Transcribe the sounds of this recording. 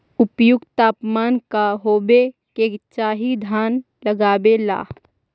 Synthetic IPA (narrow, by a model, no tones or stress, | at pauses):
ʊpjʊɡt̪aːpmaːnkaɦoːbeket͡ʃaːɦid̪ʱaːn | ləɡaːbela̰ː